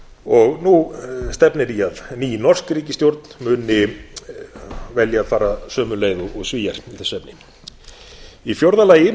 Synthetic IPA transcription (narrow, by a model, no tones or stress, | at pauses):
ɔɣnust̪ɛpnɪɾiaðniːnɔr̥skɾiːcɪst̪jowɾt̪n̥mʏːnɪ | vɛljaːðfaːɾasœːmʏnleːjðʏʔɔɣsviːjaɾ̥iθɛsːɛpnɪ | ifjowɾðalaːjɪ